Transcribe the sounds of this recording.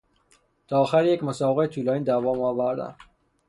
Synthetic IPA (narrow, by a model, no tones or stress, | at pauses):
t̪ʰɒːxæɾjecmosɒːbeɣet̪ʰuːlɒːniːd̪ævɒːmɒːvæɾd̪æ̰n